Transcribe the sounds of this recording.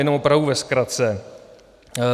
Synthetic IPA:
jɛnomʔopɾavduvɛskɾat̪t͡sɛ

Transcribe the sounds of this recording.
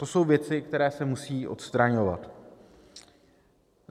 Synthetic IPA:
t̪o̞so̞wvjɛt͡sɪkt̪ɛɾɛːsɛmusiːʔo̞̰t̪st̪ɾaɲo̞va̰t̪

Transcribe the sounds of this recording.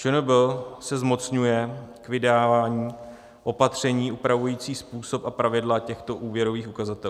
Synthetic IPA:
t͡ʃɛnobɪlsɛzmo̞t͡sɲujɛkvɪdaːvaːɲiː | ʔo̞pat̪r̝̥ɛɲiːʔupɾavujiːt͡siːspuːso̞papɾavɪdlacɛxt̪o̞ʔuːvjɛɾoviːxukazat̪ɛ

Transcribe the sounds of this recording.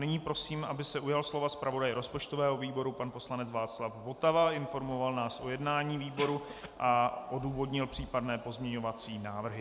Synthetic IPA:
nɪɲiːpɾo̞siːmʔabɪsɛʔujalslo̞vaspɾavo̞dajɛɾo̞spo̞t͡ʃt̪o̞vɛːɦo̞viːbo̞ɾupanpo̞slanɛt͡svaːt͡slafvo̞t̪avaɪnfo̞ɾmo̞valnaːsʔo̞jɛdnaːɲiːviːbo̞ɾuʔaʔoduːvo̞dɲɪlpr̝̥iːpadnɛːpo̞zmɲɛɲo̞vat͡siːnaːvr̩ɦɪ

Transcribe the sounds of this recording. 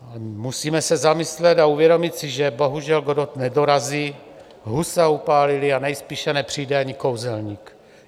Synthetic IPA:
musiːmɛsɛzamɪslɛt̪auvjɛdo̞mɪt̪sɪʒɛbo̞ɦuʒɛlɡodot̪nɛdoɾaziː | ɦusaupaːlɪlɪanɛjspiːʃɛnɛpr̝̥ijdɛaɲɪko̞wzɛlɲiːk

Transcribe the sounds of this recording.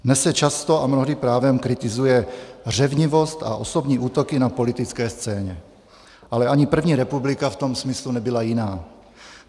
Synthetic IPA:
nɛsɛt͡ʃast̪oamnoɦdipɾaːvɛmkɾɪt̪ɪzujɛr̝ɛvɲɪvo̞st̪a̰ʔo̞so̞bɲiːʔuːt̪okɪnapo̞lɪt̪ɪt͡skɛːst͡sɛːɲɛ | ʔalɛaɲɪpr̩vɲiːɾɛpublɪkaft̪o̞msmɪslunɛbɪlajɪnaː

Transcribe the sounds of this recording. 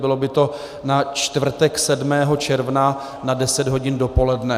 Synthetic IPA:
bɪlo̞bɪt̪o̞ | nat͡ʃt̪vr̩t̪ɛksɛdmɛːɦo̞t͡ʃɛɾvna | nadɛsɛd̪ɦo̞ɟɪndo̞po̞lɛdnɛ

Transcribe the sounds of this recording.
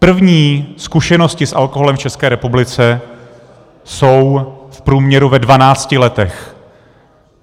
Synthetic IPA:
pr̩vɲiːskuʃɛnoscɪsʔalkoɦolɛmft͡ʃɛskɛːɾɛpublɪt͡sɛ | so̞wfpɾuːmɲɛɾuvɛdvanaːt͡scɪlɛt̪ɛx

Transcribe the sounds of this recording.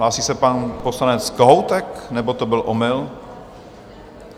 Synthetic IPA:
laːsisɛpanposlanɛt͡skoɦowt̪ɛknɛbot̪obɪlʔomɪl

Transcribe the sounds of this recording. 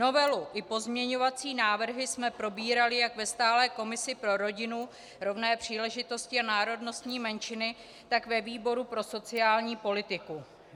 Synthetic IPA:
no̞vɛluʔɪpo̞zmɲɛɲo̞vat͡siːnaːvr̩ɦɪsmɛpɾo̞biːɾalɪjakvɛst̪aːlɛːko̞mɪsɪpɾo̞ɾo̞ɟɪnu | ɾo̞vnɛːpr̝̥iːlɛʒɪt̪o̞scɪanaːɾo̞dno̞st̪ɲiːmɛnt͡ʃɪnɪ | t̪akvɛviːbo̞ɾupɾo̞so̞t͡sɪaːlɲiːpo̞lɪt̪ɪku

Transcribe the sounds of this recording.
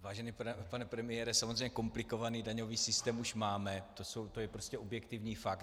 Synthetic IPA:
vaːʒɛnipɛpanɛpɾɛmɪjɛɾɛsamozrejɲɛko̞mplɪko̞vaniːdaɲo̞viːsɪst̪ɛːmuʃmaːmɛt̪o̞sowt̪o̞jɛpɾoscɛʔobjɛkt̪ɪvɲiːfak

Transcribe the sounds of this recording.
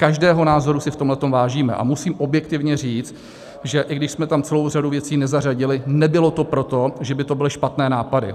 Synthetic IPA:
kaʒdɛːɦo̞naːzo̞ɾusɪft̪omlɛt̪o̞mvaːʒiːmɛ̰ʔa̰musiːmʔo̞bjɛkt̪ɪvɲɛr̝iːt͡st̪ | ʒɛʔɪɡdɪʃsmɛt̪amt͡sɛlo̞wr̝aduvjɛt͡siːnɛzaraɟɪlɪnɛbɪlo̞t̪o̞pɾo̞t̪o̞ʒɛbɪt̪o̞bɪlɪʃpat̪nɛːnaːpadɪ̰

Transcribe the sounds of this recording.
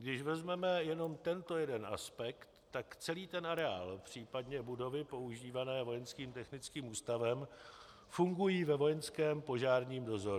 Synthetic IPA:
ɡdɪʃvɛzmɛmɛjɛno̞mt̪ɛnt̪o̞jɛdɛnʔa̰spɛktt̪ːakt͡sɛliːt̪ɛnʔaɾɛa̰ːlpr̝̥iːpadɲɛbudo̞vɪpo̞uʒiːvanɛːvo̞jɛnskiːmt̪ɛxnɪt͡skiːmʔuːst̪avɛm | fuŋɡujiːvɛvo̞jɛnskɛːmpo̞ʒaːɾɲiːmdo̞zo̞ɾu

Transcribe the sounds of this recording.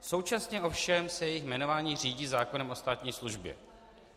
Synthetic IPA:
so̞wt͡ʃasɲɛʔo̞fʃɛmsɛjɛjɪxmɛno̞vaːɲiːr̝iːɟiːzaːko̞nɛmʔo̞st̪aːt̪ɲiːsluʒbjɛ̰

